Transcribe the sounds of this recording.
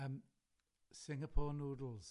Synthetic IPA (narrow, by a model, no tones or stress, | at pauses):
m | sɪ̃ŋəpʰɔːnoːdl̩ˠz̥